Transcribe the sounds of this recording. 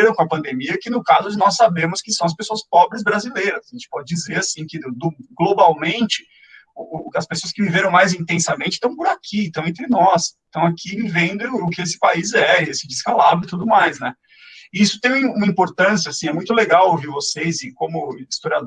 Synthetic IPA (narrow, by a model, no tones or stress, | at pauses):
eɾɐ̃w̃kõɐpɐ̃nd̪emiɐkɪnʊkazʊd͡ʒɪnɔssːabẽmʊskɪsɐ̃w̃ɐs̬pesoɐspɔbɾɪz̬bɾazilejɾɐzɐʒẽnt͡ʃɪ̥pɔd͡ʒɪd͡ʒizeɾasĩkɪd̪ʊɡlobawmẽnt͡ʃɪ̥ | ʊɐspesoɐskɪviveɾɐ̃w̃majzĩnt̪ẽsɐmẽnt͡ʃɪ̥t̪ɐ̃w̃pʊɾakʰist̪ɐ̃w̃ẽnt̪̬ɾɪnɔst̪ɐ̃w̃akʰivẽnd̪ɪ̃ʊkɪesɪ̥paizɛesɪd͡ʒɪskalabɾʊɪt̪ud̪ʊmajsnɛ | isʊ̥t̪ẽj̃ũmɐ̃ĩmpoɾt̪ɐ̃siɐasĩɛmũj̃t̪ʊleɡawoviɾvosejzɪkõmʊist̪oɾiad̪